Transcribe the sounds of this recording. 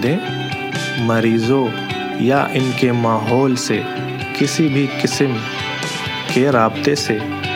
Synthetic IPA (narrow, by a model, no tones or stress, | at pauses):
d̪ẽ | mɐɾiːzõ | ja̰ʔɪnkemaːɦɔːlse | kɪsibʱikɪsəm | keɾaːbt̪ese